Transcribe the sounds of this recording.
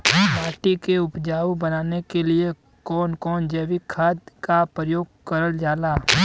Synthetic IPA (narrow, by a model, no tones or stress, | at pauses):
paːɾʈikeʊpd͡ʒaːwbɐnaːnekelie | kɔːnkɔːnd͡ʒɛːʋikʰad̪kapɾəjoːɡkəɾəld͡ʒaːlaː